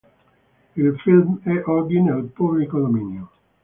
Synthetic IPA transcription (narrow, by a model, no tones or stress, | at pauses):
ilfilmɛʔɔd̪inealpublikod̪ominjo